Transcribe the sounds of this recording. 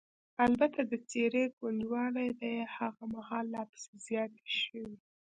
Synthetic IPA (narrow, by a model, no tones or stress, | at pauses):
albat̪ad̪ət͡seɾeɡwand̪wɑlajd̪ajhaɣamahɑlːɑpə̥sezjɑt̪e̥ʃəwi